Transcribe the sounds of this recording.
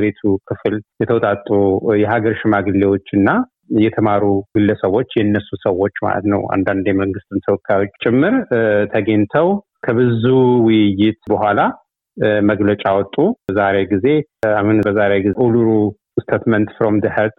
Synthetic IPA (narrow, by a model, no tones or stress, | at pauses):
ɾet̪ʰukʰɨfɨljɛt̪ʰəwt̪ʼat̪ʼːujɛɦaɡəɾʃɪmaɡɨlːewo̞t͡ʃːɨnːa | jɛt̪ʰəmaɾuɡɨlːəsəwːo̞t͡ʃːjɛnːəsːusəwːo̞t͡ʃːma̰lə̰t̪nə̰wa̰nd̪and̪jɛməŋɡɨst̪ʰɨnt̪ʰəwɔkʰːajo̞t͡ʃːt͡ʃʼɪmːɨɾt̪ʰəɡent̪ʰəw | kʰəβɨzuwɨjɪt̪bəɦʷala | məɡlət͡ʃʼawɔt̪ʼːuzaɾeɡize̞ahunbəzaɾeɡiʔuluɾu | st̪ʰet̪mənt̪fɾomd̪ɨhət̪ʼ